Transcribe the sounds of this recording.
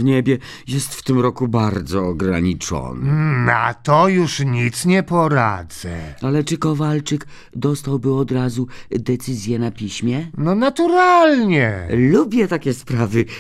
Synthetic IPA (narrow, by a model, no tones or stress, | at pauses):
vɲɛbʲjɛ | jɛst̪ft̪ɘmɾɔkubaɾd̪zɔːɡɾaɲit͡ʂɔ̰nnat̪ɔjuʂɲit̪sɲɛpɔɾad̪zɛalɛt͡ʂɘkɔvalt͡ʂɘk | d̪ɔst̪awbɘɔd̪ɾazud̪ɛt̪sɘzʲjɛnapʲiɕmʲjɛnɔnat̪uɾalɲɛlubʲjɛt̪akʲɛspɾavɘ